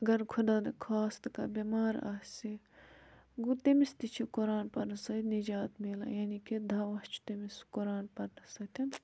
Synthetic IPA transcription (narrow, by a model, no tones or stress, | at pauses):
ɐɡɐɾkʰud̪aːd̪ɐkʰaːst̪ka̰bimaːɾa̰ːsi | ɡut̪emist̪it͡ʃʰikoɾaːnpɐɾnɐsɐt̪nid͡ʒaːt̪meːla̰jaːniked̪ʱaːʋɐst͡ʃʰu̥t̪emiskoɾaːnpɐɾnɐsɐt̪ʰɐn